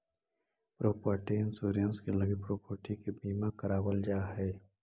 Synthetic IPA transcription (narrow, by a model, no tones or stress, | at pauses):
pɾoːpəɾʈiɪnsoːɾijənskeləɡipɾoːpəɾʈikebiːmakəɾaːwəld͡ʒaːɦɛː